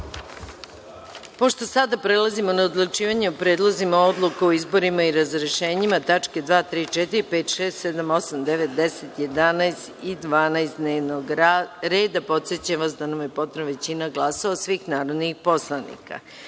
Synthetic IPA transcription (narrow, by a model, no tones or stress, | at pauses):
po̞ʃt̪o̞sad̪apɾelˠazimo̞naod̪lut͡ʃiːʋaɲeupɾeːd̪lˠozimao̞d̪lˠukeoizbo̞ɾimaiɾazɾe̞ʃe̞ːɲimat̪at͡ʂke̞d̪ʋaːt̪ɾiːt͡ʃet̪iɾipe̞ːt̪ʃeːst̪sed̪amo̞samd̪eʋet̪̚d̪ese̞t̪je̞d̪anajst̪id̪ʋaːnajstd̪neːʋnoɡɾe̞ːd̪apo̞t̪se̞t͡ɕamʋasd̪anamjepo̞t̪noʋe̞t͡ɕinaɡlˠasaosʋiːxnaːɾo̞d̪nixpo̞slˠanḭka̰